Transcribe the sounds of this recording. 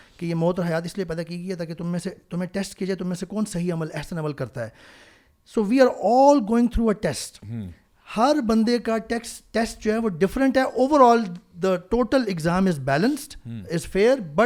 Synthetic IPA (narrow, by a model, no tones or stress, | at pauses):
kejeːmoːt̪̬əɾɦɐjaːt̪ɪsliepɛːd̪akiɡəiɦɛt̪aːket̪ʊmẽset̪ʊmẽʈɛsʈkid͡ʒaet̪ʊmẽsekɔːnsɐɦiɐməlɛɦsəneːbəlkɐɾt̪aɦɛː | soːʋiːaːɾɔːlɡoːɪ̃ŋɡt̪ʰɾuːəʈɛsʈ | hɐɾbɐ̃nd̪ekaʈɛksʈʈɛsʈ̚d͡ʒoːɦɛʋoːɖɪfɾə̃ɳʈɦɛʔoːʋəɾɔːld̪əʈoːʈəlɪɡzãːmɪzbɛːlə̃nsʈɪzfeːɾbɐ